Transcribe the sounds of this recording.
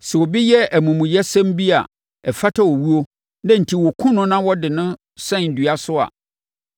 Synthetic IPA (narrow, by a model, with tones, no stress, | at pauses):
sɛ˨wɔ˨bi˦jɛ˦ʔæ˨mũ˨mũ˨jɛ˦sɛ̃˦mbi˦a̰˨ | ɛ˨fa˦tʰa˦wɔ˨wu˦o˦ | nã˦n̩˨tʰi˨wɔ˨kʰʊ̃˦nʊ̃˦nã˦wɔ˦dɪ˨nʊ̃˦ | sɛ̃˦˨n̩˨dɥa˦sʊ˦a̰˨